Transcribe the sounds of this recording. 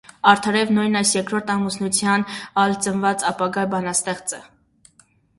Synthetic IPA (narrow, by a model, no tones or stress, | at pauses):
ɑɾt̪ʰɑɾɛvnujnɑjsjɛkɾɔɾt̪ʰɑmusnut͡sʰjɑnɑlt͡sənvɑt͡sɑpɑɡɑbɑnɑst̪ɛχt͡sə